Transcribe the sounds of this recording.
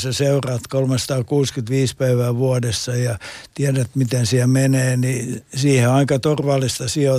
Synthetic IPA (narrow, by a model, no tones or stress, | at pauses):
seseurɑːt̪kolmest̪ɑːkuːskyt̪ʋiːspæiʋæːʋuɑdesːɑjɑt̪iɛdæt̪mit̪ensiɛmeneːnisiːheɑikɑt̪orʋɑlːˑist̪ɑsio